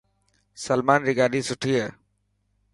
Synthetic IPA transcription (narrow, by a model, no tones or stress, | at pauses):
səlmaːnɾɪɡaːɗiːsʊʈʰiːɦəː